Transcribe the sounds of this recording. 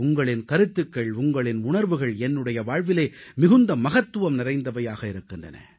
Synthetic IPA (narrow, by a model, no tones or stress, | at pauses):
ʊŋɡɐɭɪnkɐɾɯt̪ːɯkːɐɭʊŋɡɐɭɪnʊɳɐɾʋɯɣɐɭɛnːɯɽɐjɐʋaːɻʋɪleːmɪɣɯnd̪ɐmɐɣɐt̪ːɯʋɐmnɪrɐɪnd̪ɐʋɐjaːɣɐɪɾɯkːɯndrɐ̰nɐ̰